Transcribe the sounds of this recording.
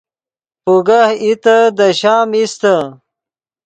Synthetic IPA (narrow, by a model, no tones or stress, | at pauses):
puɡahit̪əd̪əɕaːmist̪a